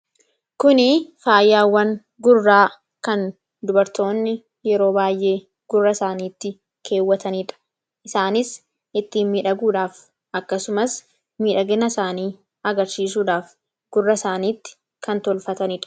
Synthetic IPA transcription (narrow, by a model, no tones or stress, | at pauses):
kʊnɪfaːjːaːwːɐŋ | ɡʊrːaː | kɐn | d̪ʊbɐɾt̪o̞ːnːɪ | jɛɾo̞ːbaːjʔe̞ː | ɡ̥ʊrːɐsaːniːt̪ːɪ | kʰe̞ːwːɐt̪ɐnɪᶑɐ̥ | ʔɪsaːnɪs | ʔɪt̪ːiːnmiːᶑɐɡuːᶑaːf | ʔɐkːɐsʊmɐs | miːᶑɐɡɛnɐsaːniː | ɐɡɐɾsiːs̬uːᶑaːf | ɡ̥ʊrːɐsaːniːt̪ːɪ̥ | kɐnt̪ɔlfɐt̪ɐnɪᶑɐ̥